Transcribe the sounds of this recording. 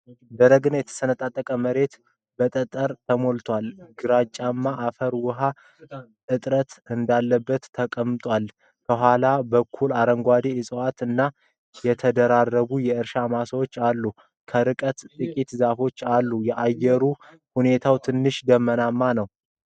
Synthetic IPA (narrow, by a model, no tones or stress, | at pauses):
d̪əɾəɡɨnajɛt̪ʰə̥sənət̪ʼat̪ʼːəkʼəməɾe̞t̪ | bət̪ʼət̪ʼəɾt̪ʰəmo̞lt̪ʰwalɡɨɾat͡ʃʼːamːaʔːfəɾwʊɦa | ʔɨt̪ʼɾət̪ɨnd̪alːəbːət̪ʰːəkʼəmːɨt̪ʼwal | kʰəɦʷalabəkʰːulaɾəŋɡʷad̪ejɛsʼɨwat̪ɨnːa | jɛt̪ʰəd̪əɾarːəβujɛɨɾʃamasəwot͡ʃːalːu | kʰəɾɨkʼət̪t̪ʼɨkʼit̪zafo̞t͡ʃːalːujɛʔajːɛɾu | hune̞t̪ʰawt̪ʰɨnːɨʃd̪əmːənamːanəw